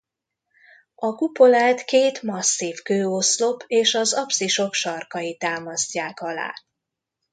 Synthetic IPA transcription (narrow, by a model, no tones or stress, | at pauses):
ɒkupo̞laːt̪keːt̪mɒsːifkøːoslo̞pʰeːʃɒzɒpsiʃo̞kʃɒrkɒjit̪aːmɒscaːkɒla̰ː